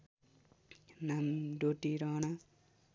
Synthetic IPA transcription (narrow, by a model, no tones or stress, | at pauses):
namɖoʈiɾʌna